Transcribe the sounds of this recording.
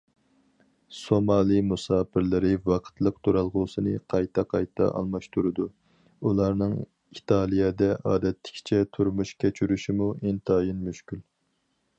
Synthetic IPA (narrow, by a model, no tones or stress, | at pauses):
somɑːlˠijmusɑːpʰɪɾlɪɾɪvɑqʰə̥t̪ʰlˠəqt̪ʰuɾɑlˠʁʊːsɨnɨqʰɑjt̪ʰɑqʰɑjt̪ʰɑ̰ʔɑ̰lˠmɑʃt̪ʰuɾɨd̪u | ulˠɑɾnɨŋ | it̪ʰɑːlˠijɛd̪ɛʔɑːd̪ɛt̪ʰːɪ̥kʲʰt͡ʃʰɛt̪ʰuɾmuʃkʲʰɛt͡ʃʰyɾyʃimuint̪ʰɑːjinmyʃkʲyl